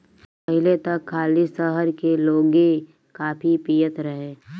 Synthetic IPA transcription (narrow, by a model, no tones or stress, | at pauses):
pɐɦɪlet̪ɐkʰːaːlisəɦəɾkeloːɡe | kaːpʰipiːjət̪ɾɐɦẽː